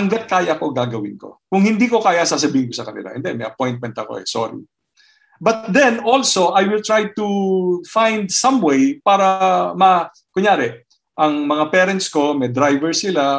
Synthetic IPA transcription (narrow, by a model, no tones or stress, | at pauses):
hɐŋɡat̪̚kaːjɐʔɐko̞ɡaːɡɐwɪnko̞̰kʊŋhɪnd̪iːko̞kaːjɐsaːs̬ɐbiːhɪnkosɐkɐnɪ̰la̰hɛ̰nd̪ɛmɛjʔɐpojnt̪̚mɛnt̪ɐko̞̰ʔɛ̰so̰ɾḭ | bɐt̪̚d̪ɛnolsoʔajwɪlt̪ɹajt̪ufãjnd̪̚sɐ̃mwejpaːɾɐmɐ | kʊɲjaːɾɛ | ʔɐŋmɐŋapɛːɾɛnt̪sko̞mɛd̪ɾajvɛɹsɪla